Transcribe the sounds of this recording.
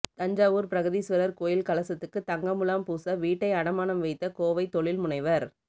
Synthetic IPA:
t̪ɐɲd͡ʒaːʋuːɾpɪɾɐɣɯðisʋɐɾɐɾkoːjɪlkɐlɐsɐt̪ːɯkːɯt̪ːɐŋɡɐmʊlaːmpuːsɐʋiːʈːɐɪɐɽɐmaːnɐmʋɐɪt̪ːɐkoːʋɐɪt̪ːɔɭɪlmʊnɐɪʋɐɾ

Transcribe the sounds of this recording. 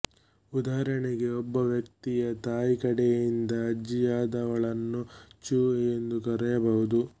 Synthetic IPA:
ud̪aːɾɐɳɛɡe̞ɔbːɐʋjɐk̚t̪ijɐt̪aːjikɐɽɛjind̪ɐːd͡ʒːijaːd̪ɐʋɐɭɐnːut͡ʃuːɛjend̪ukɐɾɛjɐbɐɦud̪u

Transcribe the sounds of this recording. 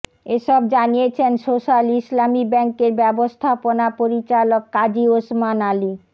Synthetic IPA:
eʃɔbd͡ʑanijet͡ɕʰensoʃalislamibɛŋkeɾbɛbost̪ʰaponapoɾit͡ɕalokːad͡ʑiosmanali

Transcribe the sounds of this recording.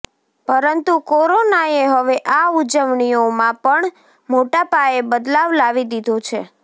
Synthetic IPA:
pəɾənt̪ukoɾonaeɦəʋeʔaud͡ʒəʋɳiomãpəɳ | moʈapaebəd̪laʋlaʋid̪id̪ʱot͡ʃʰe

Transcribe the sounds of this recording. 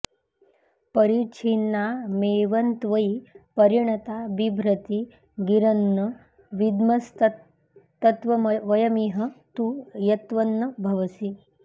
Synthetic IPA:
pəɾit͡ɕʰinːameʋənt̪ʋəipəɾiɳ̃ɐt̪abibʱɾət̪i | ɡiɾənːə | ʋid̪məst̪ | t̪ɐt̪ʋɐʋəjɐmiɦət̪ujɐt̪ʋənːəbʱɐʋəsi

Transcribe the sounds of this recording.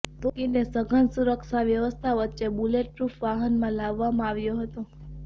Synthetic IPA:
t̪okinesəɡʱənsuɾəkʃaʋjəʋəst̪ʰaʋətːʃebuleʈ̚pɾufʋaɦənmãlaʋːamãaʋjoɦət̪o

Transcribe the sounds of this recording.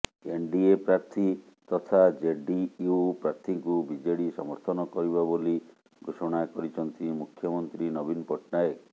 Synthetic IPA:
eɳɖiepɾaɾt̪ʰit̪ɔt̪ʰad͡ʒeɖiupɾaɾt̪ʰiŋkubid͡ʒɔɽisɔ̰mɔɾt̪ʰɔnɔkɔɾiβaboli | ɡʱosɔɽ̃akɔɾit͡ʃʰɔnt̪imukʰːjɔmɔnt̪ɾinɔbinpɔʈnaek

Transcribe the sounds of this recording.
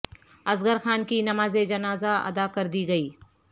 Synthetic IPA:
ɐzɡəɾxaːnkinɐmaːzed͡ʒɐnaːzaɐ̰d̪akɐɾd̪iɡɐiː

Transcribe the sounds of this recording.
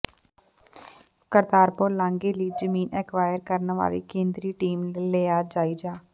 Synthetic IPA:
kəɾd̪aːɾpoːlãːŋɡeːliːd͡ʒəmiːnʔɛːkʰʋaːjəɾkəɾnʋa̰ːlḭːkẽːnd̪ɾiːʈiːmːleːaːd͡ʒaːiːd͡ʒaː

